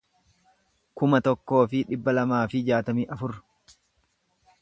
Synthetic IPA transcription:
kʊmɐt̪ɔkːo̞ːfɪᶑɪbːɐlɐmaːfɪd͡ʒaːt̪ɐmiːʔɐfʊɾ

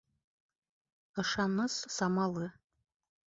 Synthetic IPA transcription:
aʂanɨssamalɨ

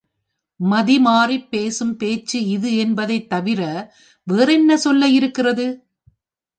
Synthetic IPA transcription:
mɐðimaːripːeːsɯmpeːt͡ʃːɯɪðɯɛnbɐðɐɪt̪ːɐʋɪɾɐ | ʋeːɾɛnːɐsɔlːɐjɪɾɯkːɪrɐðɯ

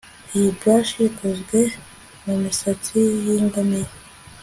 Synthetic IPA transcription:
ijibwaʃikuzɡwe̞ | mumisat͡sijiːŋɡamiɾa

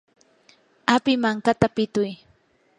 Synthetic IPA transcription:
apɪmaŋkat̪apɪt̪ʊj

